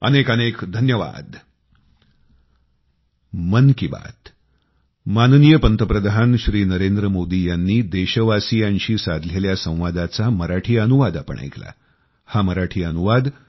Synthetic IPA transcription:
ə̰nekənekd̪ʱənjəʋa̰d̪ | mənkiba̰t̪ | mannijəpənt̪əpɾəd̪ʱanɕɾiːnəɾend̪ɾəmod̪ijanːiːd̪eɕəʋasijaɲɕiːsad̪ʱleljasə̃w̃ʋad̪at͡saməɾaʈʰiːənuʋad̪apə̰ɳʔa̰jkla̰ | haməɾaʈʰiːənuʋad̪

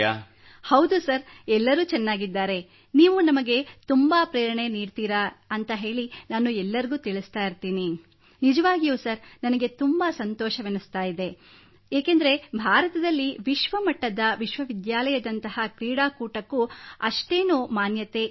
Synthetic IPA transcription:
a | hɐwd̪usɐɾɛlːɐɾuːt͡ʃɛnːaːɡid̪ːaːɾe̞ | niːʋunɐmɐɡe̞t̪umbɐpɾeːɾɐɳe̞niːɖt̪iːɾaɐnt̪ɐɦe̞ːɭinaːnuɛlːɐɾiɡuːt̪iɭist̪aːjiɾt̪iːni | nid͡ʒɐʋaːɡijusɐɾnɐnɐɡe̞t̪umbɐsɐnt̪ɔːʃɐʋenust̪aːjid̪e̞ | eːkend̪ɐɾe̞bʱaːɾɐt̪ɐd̪ɐlːiʋiʃʋɐmɐʈːɐd̪ɐʋiʃʋɐʋid̪jaːlɐjɐd̪ɐnt̪ɐhɐkɾiːɽaːkuːʈɐkːuɐʂʈe̞ːnuːmaːnjɐt̪e̞

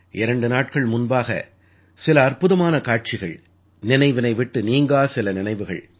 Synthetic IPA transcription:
ʔɪɾɐɳɖɯnaːʈkɐɭmʊnbaːɣɐ̰ | sɪlɐːrpɯðɐmaːnɐkaːʈ̚t͡ʃɪɣɐ̰ɭ | nɪnɐɪʋɪnɐɪʋɪʈːɯniːŋɡaːsɪlɐnɪnɐɪʋɯɣɐ̰ɭ

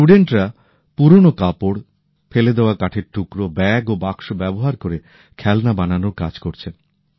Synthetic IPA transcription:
uɖeɳʈɾa | puɾonokapoɽ | feled̪eoakaʈʰeɾʈukɾobɛɡobakʃobɛboɦaɾkoɾe | kʰɛlnabananoɾka̰d͡ʑkoɾt͡ɕʰen

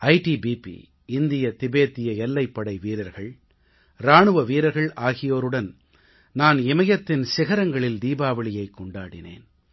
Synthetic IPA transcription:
ɐɪʈibiːpḭ | ɪnd̪ɪjɐt̪ɪbeːt̪ːɪjɐɛlːɐɪpːɐɽɐɪʋiːɾɐɾɣɐɭ | ɾaːɳɯʋɐʋiːɾɐɾɣɐɭaːɣɪjoːɾɯɽɐn | naːnɪmɐjɐt̪ːɪnsɪɣɐɾɐŋɡɐɭɪld̪iːbaːʋɐɭɪjɐɪkːɔɳɖa̰ːɽɪ̰nḛːn

